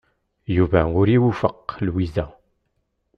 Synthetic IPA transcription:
juvæʊɾiwufəqːlwizæ

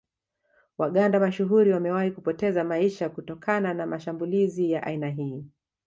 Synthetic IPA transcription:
waɠandamaʃuɦuɾiwamɛwahikupɔtɛzamaiʃakutɔkʰananamaʃambulizijaʔa̰inaɦiː

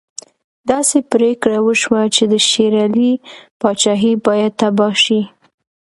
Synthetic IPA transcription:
d̪ɑsepɾekɽawəʃwat͡ʃed̪əʃeɾɑlipɑt͡ʃɑɦibɑjad̪̚t̪abɑʃi

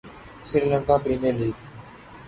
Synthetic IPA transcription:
sɪɾiːləŋkaːpɾiːmiəɾliːɡ

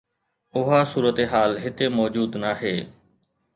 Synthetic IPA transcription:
ʊɦaːsuːɾət̪eːɦaːlɦɪt̪eːmɔːd͡ʒuːd̪naːɦeː

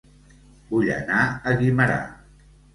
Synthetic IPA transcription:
buʎə̰naəɣiməɾa̰

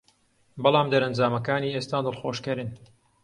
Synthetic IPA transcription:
bɑlˠɑːmd̪ɐɾɐnd͡ʒaːmɐkaːniːeːst̪aːd̪ɨlˠxoːʃkɐɾɨn

